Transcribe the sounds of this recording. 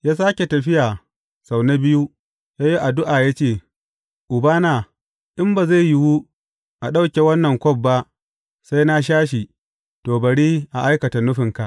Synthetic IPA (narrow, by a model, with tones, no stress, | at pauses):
jaː˦s̬aː˦kʲe˨tɐ˨ɸɪ˦jaː˨ | sa˨wna˦bɪ˦ju˦ | jaː˦ji˦ʔa˨dʊ˦ʔa˨ja˦t͡ʃeː˦˨ | ʔʊ˨baː˦naː˨ | ʔɪ˦mba˨za˦˨jjɪ˦wu˦ | ʔa˨ɗa˦wkʲe˨wɐ˦nːɐ˨ŋkʷɔ˦b̚ːa˦ʔ | sa˦jna˦ʃ̬aː˦ʃi˨ | toː˨bɐ˨ɽiː˦ʔa˨ʔa˦jkɐ˨ta˨nʊ˦ɸɪ˨ŋka˨ʔ